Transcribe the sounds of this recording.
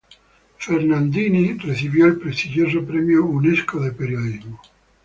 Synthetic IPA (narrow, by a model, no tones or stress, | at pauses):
fernand̪iːniresivjɔilpɾest̪id͡ʒoːzopɾɛmjouneskoðepeɾjoðizmo